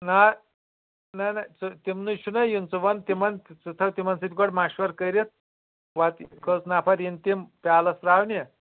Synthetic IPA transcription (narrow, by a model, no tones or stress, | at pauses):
na | nanat͡sut̪imnuʃunɐjunt͡suʋɐnt̪imɐnt̪t͡sut̪ʰɐwt̪imɐnsit̪ʲɡɔɽmaɕʋɐɾkəɾet̪̚ | ʋat̪kət͡snapʰaɾint̪impalɐsɾawnʲe